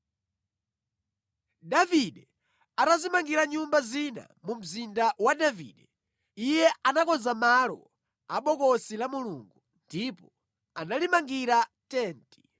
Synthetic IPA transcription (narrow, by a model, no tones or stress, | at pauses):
daviɗɛ | atazimaŋɡiɾaɲumbazina̰mum̩zindawaɗavḭɗɛ | ijɛʔanakɔnzamalɔ̰ | aɓɔkɔsilamuluŋɡu | ndipɔ | analimaŋɡiɾatɛːnti̥